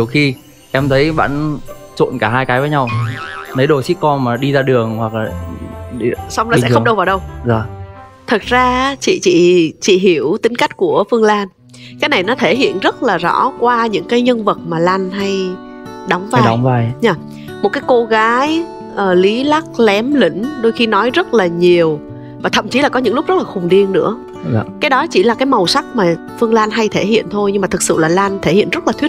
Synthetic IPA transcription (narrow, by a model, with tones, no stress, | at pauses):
i˨˩əwxi˧ | ʔɛ˧mt̪ʰə˨˦jɓa̰ː˧˨nt͡ɕo̰˧˨nkaː˧˩ɦaː˧jkaː˨˦jvəː˨˦ɲa˧wnə˨˦jɗo˨˩sḭ˦˧˥kɔ˧nmaː˨˩ɗi˧zaː˧ɗɨ˨˩əŋhwa˨˩k̚laː˨˩ | sa˧wŋ͡mlaː˨˩ɛ̰˥˨˦ŋ͡m̚ɗə˧wvaː˨˩wɗə˧wzɔ˨˩ | t̪ʰə˨˩t̚zaː˧t͡ɕḭ˧˨t͡ɕḭ˧˨t͡ɕḭ˧˨ɦi˨˧˩əwt̪ï˨˦ŋ̟ka˦˥jk̟̚ku˧˩əfɨ˧əŋlaː˧n | kaː˨˦jna˨˩jnɔ˨˦t̪ʰe˧˩ɦḭ˧˨ənzə˦˥t̚laː˨˩zɔ̰˧˥kwaː˧ɲɨ̰˧˥ŋkaː˨˦jɲə˧ŋvə˨˩t̚maː˨˩la˧nɦa˧j | ɗa˨˦wŋ͡mvaː˧˨˦va˧jɲaː˨˩ | mo˨˩t̚kaː˨˦jko˧ɣaː˨˦j | ʔəː˨˩li˨˦la˦˥k̚lɛ˨˦mlḭ̈˧˩ŋ̟ɗo˧jxi˧nɔ˨˦jzə˦˥t̚laː˨˩ɲi˨˩əw | vaː˨˩t̪ʰə̰˧˨mt͡ɕi˨˦laː˨˩kɔ˨˦ɲɨ̰˧˥ŋlʊ˦˥k͡p̚zə˦˥laː˨˩xʊ˨˩ŋ͡mɗi˧ənnɨ̰˧˥ə | kaː˨˦jɗɔ˨˦t͡ɕi˧˩laː˨˩kaː˨˦jmə˨˩wsa˦˥k̚maː˨˩ | fɨ˧əŋlaː˧nɦa˧jt̪ʰe˧˩hḭ˧˨ənt̪ʰo˧jɲɨ˧ŋmaː˨˩t̪ʰɨ˨˩k̚sɨ̰˧˨laː˨˩laː˧nt̪ʰe˧˩hḭ˧˨ənz̥ə˦˥t̚laː˨˩t̪w̚